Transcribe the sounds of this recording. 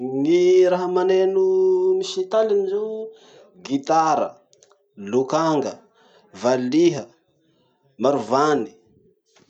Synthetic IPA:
ŋiɾaɦəmanenumiʃit̪alinizu | ɡit̪aɾə̰ | lukaŋɡə | valiɦə | maɾuvani̥

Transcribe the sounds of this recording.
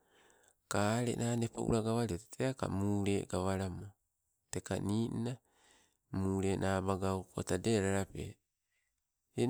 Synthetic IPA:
kaɾḛnʔaːnepo̰ʔṵɾaɡaβaɾioteteaka̰muːɾe̞ɡaβaɾamo | teka̰niːnna | muːɾe̞nʔabaɡawko̰tadeɾaɾapḛ | e

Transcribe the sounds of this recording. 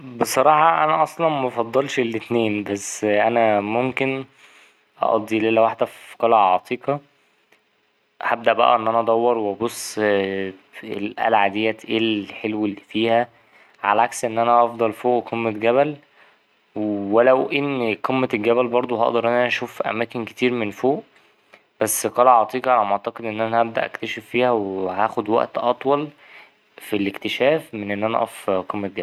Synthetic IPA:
besˤɑɾˤɑːħɑʔænæʔɑsˤlɑnmæfɑd̪ˤːɑlʃelːet̪neːnbæsːʔænæmomken | ʔɑ̰ʔɑ̰d̪ˤːilelːæwaħd̪æfqɑlɑʕʕɑt̪ˤʰiːqɑ | hab̚d̪æʔbæ̰ʔæ̰ʔenːʔænæʔɑd̪ˤɑwːɑɾˤweɑbosˤː | ḛlʔæ̰lʕad̪ejːæʔeːlħelwelːifiːhæ | ʕa̰læʕaksʔenːʔænæʔɑfd̪ˤɑlfoːʔqʰemːet̪ɡæβæl | wwelæwʔenːqʰemːeɡæbælbɑɾˤd̪ˤoɦɑ̰ʔd̪ɑɾˤʔænænæʔæʃuːfʔæ̰mæːkenke̥t̪iːɾmenfoːʔ | b̥æsːqɑːlæʕɑʕt̪ˤiːʔɑʕalæmoʕt̪ɑqed̪ʔenːʔænæʔæb̚d̪æ̰ʔæ̰kt̪æʃefːiːhæwehæːxod̪wæ̰ʔt̪ʔɑt̪ˤwɑl | filekt̪eʃæːfmenʔenːʔænæʔʔɑ̰fqemːet̪̚ɡæbæ

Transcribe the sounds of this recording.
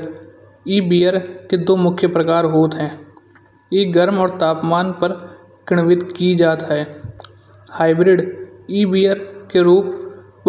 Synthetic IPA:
iːbiːəɾked̪oːmʊkʰjəpɾəkaːɾɦoːt̪ɦɛ̃ː | jeːɡəɾmɔːɾt̪aːpmaːnpəɾ | kɪɽ̃ʋɪt̪kid͡ʒaːt̪ɦɛː | haːɪbɾɪɖiːbiːəɾkeɾuːp

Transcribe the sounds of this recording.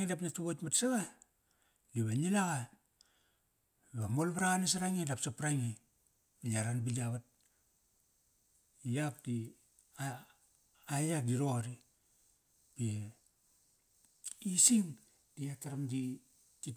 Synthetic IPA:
ŋidapnatuβotmatsaɣa | ɡiβanilaɡa | iβamolβaɾaɣanes̬aɾaŋidapsapɾaŋi | belaɾanbiliaβat̚ | jak̚di | aː | jadiɾo̞ɾi | b̥e | isiŋ | d̥iataɾamdi | ti

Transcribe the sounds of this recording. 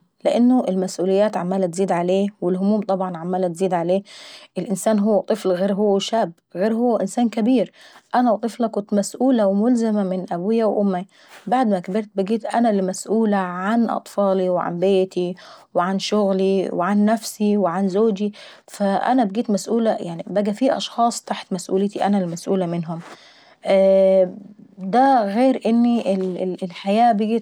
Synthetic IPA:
lɪʔɪnːʊʔɪlmasʔuːlɪjːaːt̪ʕamːaːlat̪ziːd̪ʕaleːwɪlhʊmuːmt̪ˤɑbʕɑnʕamːaːlat̪ziːd̪ʕaleːʔɪlʔɪnsaːnɦʊwːat̪ˤɨflɣeːɾɦʊwːaʃaːb | ɣeːɾɦʊwːaʔɪnsaːnkabiːɾʔanawt̪ˤɨflɑkʊnt̪masʔuːlawɪmʊlzɪmamɪnʔabuːjawʔʊmːi | baʕd̪makbɪɾt̪̚bɪɡiːt̪ʔanalmasʔuːlaʕanʔɑ̰t̪ˤfɑːliweʕa̰nbeːt̪iweʕanʃoɣliweʕanːæfsiweʕanzoːd͡ʒi | fæʔæ̰næbeɡiːt̪mæsʔuːlæjaʕnibæɡæfiːʔɑ̰ʃxɑːsˤt̪aħt̪mæsʔṵːlet̪iʔænælːmæsʔuːlæmenɦom | ʔ | d̪æɣeːɾʔenːiʔelelħajæːbeɡiːt̪

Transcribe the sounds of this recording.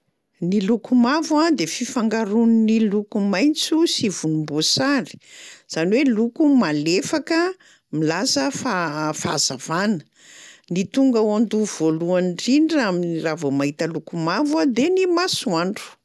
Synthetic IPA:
nilukumavwad̪efifaŋɡaɾunnilukumajnt͡susivunumbusaɾi̥z̥aniwelukumalefakə | milasəfafazav̥anə̥ | nit̪uŋɡəwand̪uv̥oluanɖ͡ʐiɳɖ͡ʐaminiravomaɦit̪əlukumavwad̪enimasuaɳɖ͡ʐu̥

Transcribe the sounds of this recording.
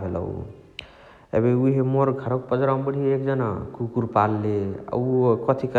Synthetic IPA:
bʱelə̰ṵ | ḛbeuɦemoɾɡʱaɾək̚pəd͡ʒɾambəɽ̤iekd͡ʒəna̰kukuɾpalːea̰ukʌt̪ʰik

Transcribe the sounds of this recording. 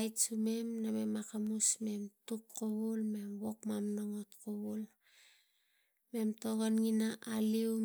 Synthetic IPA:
jtsume̞mname̞makamusme̞mtukkoβulme̞mwo̞kmamnoŋo̞tkoβul | me̞mto̞ɣonŋinaʔaliw

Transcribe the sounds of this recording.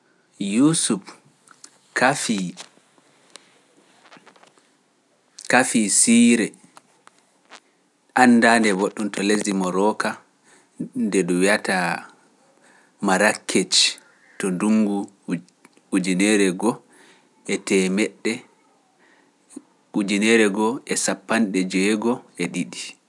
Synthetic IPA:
jusuf | kafi | kafisiɾɛ | ʔanːdandɛboɗːuntɔlezimɔɾɔka | ndɛɗuwiata | maɾakʰːet͡ʃ | tɔnduŋɡu | ud͡ʒinɛɾɛɡɔ | ɛtɛmɛɗːɛ | ud͡ʒinɛɾɛɡɔɛsapːanɗɛd͡ʒɛɡɔɛɗiɗi

